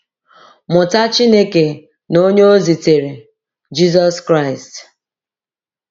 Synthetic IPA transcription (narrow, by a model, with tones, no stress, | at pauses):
mʊ˨ta˦t͡ʃi˦ne˦ke˨ | no˦ɲe˦o˦zi˨te˨ɾe˨ | d͡ʒi˦zɔ˦skɾa˦˨ɪ˨st